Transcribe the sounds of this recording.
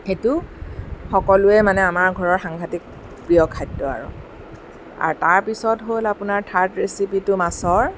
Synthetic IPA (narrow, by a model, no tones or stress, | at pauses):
xetʊ | xɔkɔlʊɛmanɛamaɹɡʱɔɹɔɹxaŋɡʱatik̚ | pɹiɔkʰːajdːɔa̰ɹʊ̰ | a̰ɹtaɹpisɔtɦolapʊnaɹtʰaɹtɹesipitʊmasɔɹ